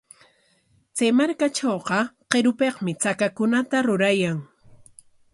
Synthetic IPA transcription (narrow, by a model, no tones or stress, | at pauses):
t͡sajmaɾkaʈ͡ʂowqɑqeɾʊpeqmɪt͡sakakʊnat̪aɾʊɾajaŋ